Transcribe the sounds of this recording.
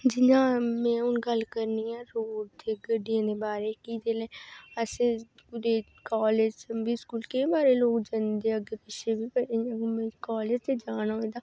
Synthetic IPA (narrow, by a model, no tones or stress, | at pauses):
d͡ʒɪnãːmɛ̃ːʊnɡəlkəɾniːɛ̃ːɾoːɖt̪ʰeɡəɖijãːd̪eːbaːɾeːkiːd̪eːleːəsẽː | ʊd̪eː | kaːled͡ʒbiːskuːlkeibaːɾeːloːkd͡ʒənd̪eːəɡeːpɪt͡ʃʰːebiːpəẽãmɛ̃kaːleːd͡ʒt̪eːd͡ʒaːnaːɦoːd̪aː